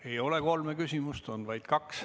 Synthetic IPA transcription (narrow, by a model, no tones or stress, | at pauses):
e̞jo̞le̞ko̞lmekysʲimust̪o̞nvɑjd̪̥kɑks